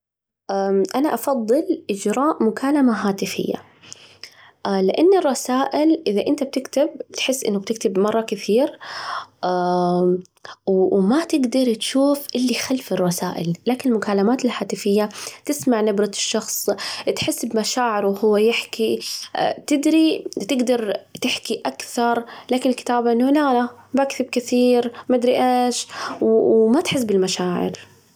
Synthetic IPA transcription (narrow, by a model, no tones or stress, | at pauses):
ʔaʔanaʔɑfɑðˤːɨlʔɪd͡ʒɾˤɑːʔmʊkaːlamaɦaːt̪ɪfɪ̰jːa̰ | lɪʔanːɪrˤːɑsaːʔɪlʔɪðaʔɪnt̪ab̚t̪ɪkt̪ɪb̚t̪ħɪsːʔɪ̰nːʊb̚t̪ɪkt̪ɪbmɑrˤːɑkɪθiːɾ | a | wmat̪ɪɡd̪ɑɾˤt̪ʃuːfʔɪlːixalfɪrˤːɑsaːʔɪ̰lːaːkɪnɪlmʊkaːlamaːt̪ɪlħaːt̪ɪfɪjːat̪ɪsmaʕnabɾɑt̪ʃːɑxsˤt̪ħɪsːbmaʃaːʕɪɾwhʊwːajɪħki | t̪ɪd̪ɾit̪ɪɡd̪ɑɾˤt̪ɪħkiʔakθɑɾˤlaːkɪnɪlkɪ̥t̪aːbʔɪnːʊlalabakθɪb̚kɪθiːɾmad̪ɾiʔeːʃwwmat̪ħɪs̬ːbɪlmaʃaːʕɪ̰ɾ